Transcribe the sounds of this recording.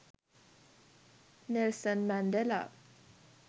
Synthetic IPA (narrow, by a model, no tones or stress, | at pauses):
nɛlsənmænd̪ɛla̰